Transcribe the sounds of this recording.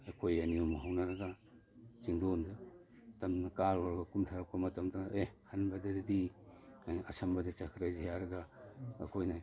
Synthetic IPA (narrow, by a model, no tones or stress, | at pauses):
akʰojaniumaɦawnaɾɐɡa | t͡ʃiŋdondatamnɐkaɾɔɾɐɡakumtʰaɾak̚ʰamɐtɐmtaehanbadadɐdiajasambadit͡ʃakʰɾajzeaɾɐɡa̰ːkʰojna